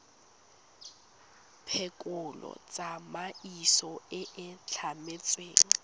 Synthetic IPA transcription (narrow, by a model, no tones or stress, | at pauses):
pʰekʼʊlɔ̰t͡sʼamaisɔɪʔɪt͡ɬʰamet͡sʼwḛːŋ̩